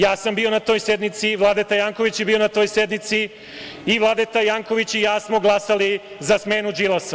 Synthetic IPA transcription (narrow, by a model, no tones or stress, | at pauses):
jaːsambio̞nat̪o̞ːjse̞d̪nit̪siʋlˠad̪et̪ajaːŋko̞ʋit͡ɕjebiːo̞nat̪o̞ːjse̞d̪nit̪si | iʋlˠad̪et̪ajaːŋko̞ʋit͡ɕijaːsmo̞ɡlˠasali | zasmeːnud͡ʒilˠas